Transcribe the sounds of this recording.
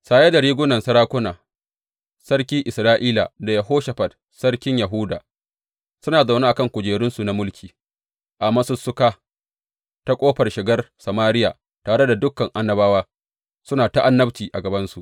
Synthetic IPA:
saː˨je˦da˨ɽiː˦ɡʷʊ˦nɐ˨nsɐ˦ɾaː˦kʷʊ˦naː˨ | sɐ˦rkʲiː˦ʔɪ˨sɾaː˦ʔiː˦la̰˨da˨jɐ˨ɦoː˦ʃa˨ɸɐ˨d | sɐ˦ɽkʲɪ˦ɲjɐ˨ɦuː˦da̰ː˨ | sʊ˦naː˨za˨wnaː˦ʔa˨kɐ˦˨ŋkʷʊ˨d͡ʒeː˨ɽʊ˦nsu˨na˨mʊ˦lkʲʰiː˨ | ʔa˨mɐ˦sʊ˦sːʊ˦kaː˦ | ta˦kʷʼoː˦ɸɐ˨rʃɪ˨ɡɐ˦rsɐ˨maː˦ɾɪ˦ja̰ː˨ | taː˨ɽe˦da˨dʊ˦kːɐ˨ŋʔa˦nːɐ˦baː˦waː˦ | sʊ˦naː˨ta˦ʔa˦nːɐ˦bt͡ʃiː˨ʔa˨ɡɐ˨bɐ˦nsu˨ʔ

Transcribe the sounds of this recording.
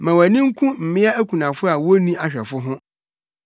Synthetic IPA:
mã˨wæ˨nĩ˦ŋ̩˦kʰũ˦m̩˨mɪ̃˦a˦æ˦kʰũ˨nã˨fʊ˦a˨wo˦nĩ˦a˨ɕᶣɛ˨fʊ˦ɦʊ̃˦

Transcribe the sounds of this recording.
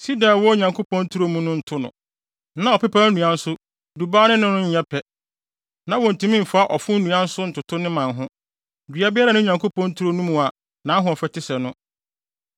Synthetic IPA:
si˦da˨wɔ˦ɲã˨ŋkʰo˦pɔ̃˦n˦tʰu˦ɾo˦mũ˦nʊ̃˦n̩˨tʰʊ˦nʊ̰̃˨ | nã˨˦ɔ˨pɛ˦pʰa˦nũ˨a˦n̩˦sʊ˦ | du˨baː˦nɪ̃˦nʊ̃˦nʊ̃˦ɲ̩˦ɲɛ˦pʰɛ˨ | nã˨wɔ̃˨n̩˨tʰũ˨mĩ˦m̩˨fa˦a˦ʔɔ˨fʊ̃˦nũ˨ã˦n̩˦sʊ˦n̩˨tʰʊ˨tʰʊ˦nɪ̃˦mã˨nɦʊ̃˦ | dɥa˦bɪ˦ɾa˨nʊ̃˦˨ɲã˨ŋkʰo˦pʰɔ̃˦n̩tʰu˦ɾo˦nũ˦mũ˨a˨ | nã˨˦ɦʊ̃˨ɔ˨fɛ˨tʰɪ˦sɛ˨nʊ̃˦

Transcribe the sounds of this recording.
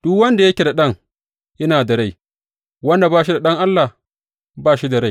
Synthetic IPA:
d̥ʊ˦wɐ˦nda˨jɐ˦kʲe˨da˨ɗɐ˦˨ŋ | jɐ˦naː˨dɐ˨ɽa˦˨j | wɐ˦nda˨baː˦˨ʃi˦da˨ɗɐ˦ŋʔa˦lːa˨h | baː˦ʃi˦da˨ɾa˦j

